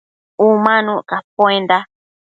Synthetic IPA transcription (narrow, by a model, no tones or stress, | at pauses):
umãnũʔkapwẽnd̪a